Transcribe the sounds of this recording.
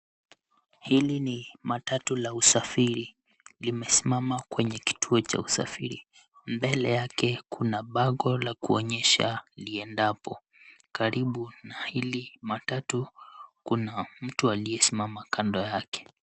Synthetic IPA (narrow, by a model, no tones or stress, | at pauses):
hilinimatatulausafiɾi | limɛsimamakwɛɲɛki̥tʰuɔt͡ʃa̰usa̰fiɾi | mbɛlɛjakɛkunaɓaɡɔlakuɔɲɛʃa̰liɛndapɔ | kaɾiɓunahilimatatukunam̩tualiɛsimamakʰandɔjakɛ̥